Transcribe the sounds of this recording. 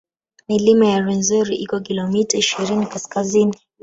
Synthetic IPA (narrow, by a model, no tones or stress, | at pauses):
nilimajaɾɛnzɔɾiʔikɔkilɔmitaiʃiɾinikaskazini